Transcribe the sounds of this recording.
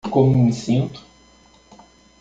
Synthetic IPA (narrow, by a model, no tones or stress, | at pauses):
kõmũĩsĩnt̪ʊ̥